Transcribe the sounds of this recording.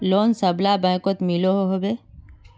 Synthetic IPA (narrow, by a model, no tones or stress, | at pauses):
loːnsəblabə̃ːkot̪miloɦoɦobeː